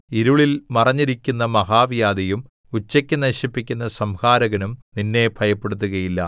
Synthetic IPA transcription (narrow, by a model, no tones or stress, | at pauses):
iɾuɭilmɐrɐɲːiɾikʲːunːɐmɐɦaːʋjaːd̪ɐjum | ut͡ɕːɐkʲːɨnɐɕipːikʲːunːɐsɐmhaːɾɐɣɐnumninːe̞bʱɐjɐpːe̞ɽut̪̬ːuɣɐjilːɐ̰